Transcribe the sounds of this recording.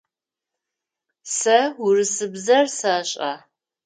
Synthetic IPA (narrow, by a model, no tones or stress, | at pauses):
sɐwʊrɨsɨbzɐrsaːɕʼɐ